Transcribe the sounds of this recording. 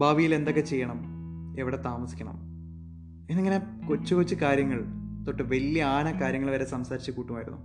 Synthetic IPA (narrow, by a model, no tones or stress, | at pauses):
bʱaːʋijile̞nd̪okːe̞t͡ɕe̞jːɐɳɐmeʋiɽe̞t̪aːmɐsi̥kʲːɐɳɐ̰m | enːeŋːɐne̞kot͡ɕːukot͡ɕːɨkaːɾjɐŋːɐɭt̪o̞ʈːɨʋelːjiaːnɐkaːɾjɐŋːɐɭʋɐɾesɐmsaːɾit͡ɕːɨkuːʈːumaːjiɾunːṵ